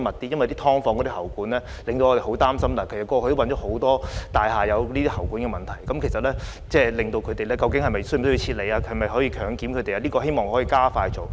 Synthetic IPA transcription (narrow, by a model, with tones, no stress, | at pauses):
mɐ˨˩t̚t̪iː˥jɐ˥nwɐ˨jt̪iː˥t̪ʰɔː˥ŋfɔː˧ŋkɔ˨˧˥t̪i˥hɐ˨˩wkuː˨˥nlɛː˥ | lɪ˨ŋt̪o˧wʔɔː˨˧e˨ho˨˥wt̪aː˥msɐ˥mt̪aː˨˩kʰskːɔː˧kʰɵ˧t̪o˥wɐ˧nt͡ʃɔː˨˥ho˨˥wt̪ɔː˥t̪aː˨jɦaː˨jɐ˨˧wliː˥t̪iː˥hɐ˨˩wkuː˨˥nkɛ˧mɐ˨nt̪ʰɐ˨˩jkɐ˨˥mkʰjsɐ˨t̚lɛː˥ | t͡sɛː˥˧lɪ˨ŋt̪o˧wkʰɵ˨˧t̪e˨jlɛː˥kɐ˧wkɪ˨˥ŋhɐ˨˩jmɐ˨jsɵ˥jsji˧t͡ɕʰiː˧t̚le˨˧jaː˧˨jmɐ˨jɦɔː˨˥jiː˧kʰœː˨˥ŋkiː˨˥mkʰɵ˨˧t̪e˨jaː˧liː˥kɔ˧ɦe˥jmɔː˨˩ŋhɔː˨˥jiː˧kaː˥faː˧jt͡so˨w